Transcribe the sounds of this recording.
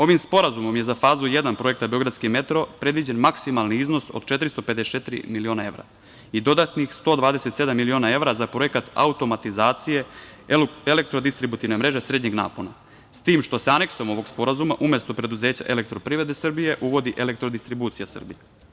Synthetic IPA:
o̞ʋimspo̞ɾazumo̞mjezafaːzuje̞d̪anpɾo̞je̞k̚t̪abeo̞ɡɾad̪skime̞t̪ɾo̞pɾe̞d̪ʋid͡ʑenmaksimalniizno̞so̰d̪t͡ʃe̞t̪ɾist̪oped̪est͡ʃet̪ɾḭmilio̞nae̞ʋɾa̰ | id̪o̞d̪at̪nixst̪o̞ːd̪ʋaːd̪eset̪se̞d̪amːilio̞ːnae̞vɾazapɾo̞je̞kat̪a̰ut̪o̞mat̪izaːt̪sije̞ | elek̚t̪ɾod̪ist̪ɾibut̪iʋnemɾe̞ʒe̞sɾed̪ɲeɡna̰ːpona | st̪iːmʃt̪o̞seane̞ksoomo̞ʋo̞ɡspo̞ɾazumaʔumjest̪o̞pɾe̞d̪uzeːt͡ɕa̰ʔele̞kt̪ɾo̞pɾivɾe̞d̪esrbije̞ʔuʋo̞d̪iʔelek̚t̪ɾo̞d̪ist̪ɾibuːt̪sijasr̩bḭje

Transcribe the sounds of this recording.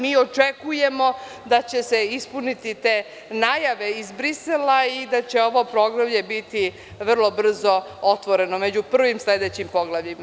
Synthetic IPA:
miːo̞t͡ʂekujemo̞ | d̪at͡ɕe̞seispunit̪it̪eː | najaʋe̞izbɾiselaid̪at͡ɕe̞o̞ʋo̞pɾo̞ɡɾamʎebit̪i | ʋr̩lˠo̞br̩zo̞ | ot̪ʋo̞ɾe̞nomed͡ʑupr̩ʋimsled̪et͡ɕimpo̞ɡlˠaʋʎima

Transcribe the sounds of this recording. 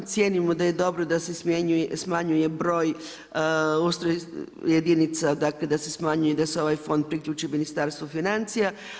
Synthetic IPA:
t̪sʲjenimod̪aje̞d̪o̞bɾod̪asesmjeɲujsmaɲujebɾo̞ːj | ust̪ɾojed̪init̪sad̪akled̪ase̞smaɲujed̪aseo̞ʋajfo̞nd̪̚pɾikʎʲuːt͡ʃiminist̪aɾst̪ʋofinant̪sija

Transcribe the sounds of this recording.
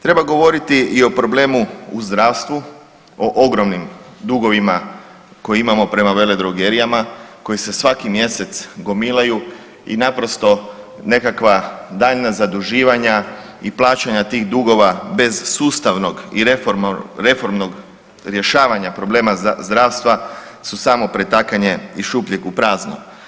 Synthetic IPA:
t̪ɾe̞baɡo̞ʋo̞ɾit̪iio̞pɾo̞ble̞ːmuuzd̪ɾaːʋst̪ʋu | o̞ʔoɡɾo̞mnimd̪uɡo̞ʋima | ko̞jeimamo̞pɾe̞maʋe̞le̞d̪ɾoɡeɾijamako̞jise̞sʋakimje̞se̞t̪sɡo̞milaju | ḭnapɾo̞st̪o̞ | ne̞kakʋad̪aːʎnazad̪uʒiːʋaɲa | iplˠaːt͡ʃaɲat̪iːɣd̪uɡo̞ʋabe̞zsuːst̪aʋno̞ɡiɾefoɾɾe̞fo̞ɾmnoɡ | ɾje̞ʃaːʋaɲapɾo̞ble̞ːmazd̪ɾaːʋst̪ʋasusaːmo̞pɾe̞t̪akaɲe̞iʃupʎʲekupɾaːzno̰m

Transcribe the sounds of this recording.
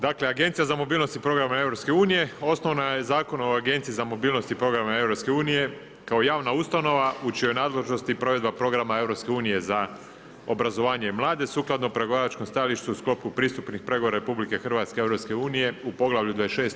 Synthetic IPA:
d̪akle̞aɡe̞nt̪sijazamo̞biːlˠno̞st̪ipɾo̞ɡɾamae̞vɾopske̞uːnije̞o̞sno̞ʋnajezaːko̞noaɡe̞nt̪izamo̞biːlˠno̞st̪ipɾo̞ɡɾamaevɾo̞pske̞uːnije̞ | kao̞jaːʋnaust̪ano̞ʋaut͡ʃijonaːd̪le̞ʒno̞st̪ipɾo̞ʋe̞d̪bapɾo̞ɡɾamae̞vɾo̞pske̞uːnije̞za | o̞bɾazo̞ʋaːɲe̞mlˠaːd̪e̞suːklˠad̪nopɾe̞ɡo̞ʋaɾat͡ʃkomst̪ajaliʃt̪uusklo̞pkupɾiːst̪upnixpɾe̞ɡooɾaɾe̞publike̞xr̩ʋat̪skeeʋɾo̞pske̞uːnije̞upo̞ɡlˠaʋʎud̪ʋaesʃeːst̪

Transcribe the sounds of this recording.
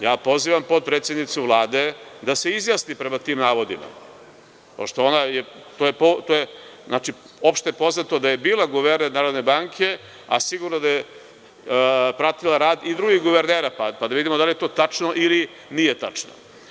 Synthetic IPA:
jaːpo̞ziːʋampo̞d̪̚pɾet̪sje̞d̪nit̪suʋlˠaːd̪e̞d̪ase̞izjaːsnipɾe̞mat̪iːmnaːʋo̞d̪ḭma̰ | po̞̰ʃt̪o̞onajet̪ojepot̪ojeaːt͡ʃi | o̞pʃt̪ejepo̞znat̪od̪aje̞biːlaɡuʋeɾneɾnaːɾo̞d̪nebaŋkʰe̞ | a̰siɡuɾnod̪aje | pɾat̪ilaɾaːd̪id̪ɾuɡixɡuʋeɾneːɾapapad̪aʋid̪imod̪alije̞t̪o̞ːt̪at͡ʂno̞ʔili | nijet̪a̰t͡ʂno̰

